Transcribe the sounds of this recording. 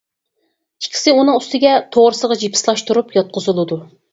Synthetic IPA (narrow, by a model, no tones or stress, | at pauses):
ikʲʰːi̥sɪunɨŋyst̪ʰɪɡʲɛt̪ʰoʁɾɨsəʁɑd͡ʒipʰɪ̥slˠɑʃt̪uɾupjɑt̪̚qʰʊzɨlˠɨd̪u